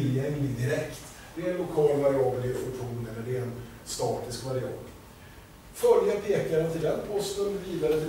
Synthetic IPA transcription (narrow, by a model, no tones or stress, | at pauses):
ljɛŋlɪŋd̪ɪɾɛkt̪ | d̪̥ɛɛnlʊkʰɑːlvaɾɪɑːbəlɪɾfɔʈɧuːnɛlːəɖɛɛn | st̪ɑːt̪ɪskvaɾɪɑ̰ːb̪ | fœljapʰeːkaɾənt̪ʰɪld̪ɛnpʰɔst̪ənviːd̪aɾət̪ʰɪ